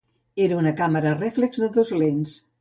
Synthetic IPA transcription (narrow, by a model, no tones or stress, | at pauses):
eɾəunəkaməɾərɛflekzðəðozlens